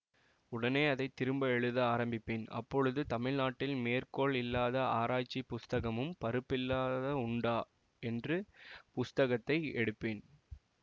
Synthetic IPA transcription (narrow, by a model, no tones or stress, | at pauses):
ʊɽɐneːɐðɐɪt̪ːɪɾɯmbɐɛɻɯðɯaːɾɐmbɪpːeːnɐ̰pːɔɻɯðɯt̪ɐmɪɻnaːʈːɪlmeːrkoːɭɪlːaːðɐaːɾaːt͡ʃːipːʊst̪ɐɣɐmɯmpɐɾɯpːɪlːaːðɐʊɳɖaː | ɛndrɯpʊst̪ɐɣɐt̪ːɐɪɛɽɯpːeːn